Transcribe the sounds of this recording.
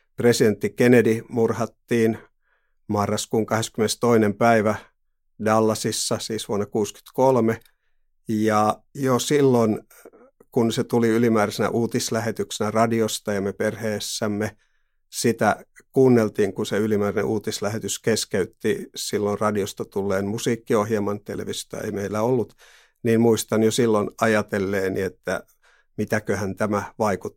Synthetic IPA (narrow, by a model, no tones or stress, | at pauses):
president̪ːikenedimurhɑt̪ːiːn | mɑrːɑskuːŋkɑheskymenest̪oinempæiʋæ | dɑlːɑsisːɑsiːsʋuonːɑkuːsky̥t̪kolme | jɑjosilːon | kunset̪uliylimæːɾæsenæ̰ʔuːt̪islæhet̪yksenærɑdiost̪ɑjɑmeperheːsːæmːe | sit̪ækuːnːelt̪iːŋkuseylimæːrænḛʔuːt̪islæhet̪yskeskeyt̪ːisilːonrɑdiost̪ɑt̪ulːeːnmusiːkːiohjelmɑnt̪ḛlḛʋisjt̪ɑ̰ḛimeilːæolːut̪ | ninmuist̪ɑnjosilːonɑjɑt̪elːeːniet̪ːæ̰ | mit̪ækøhænt̪æmæʋɑikut̪ː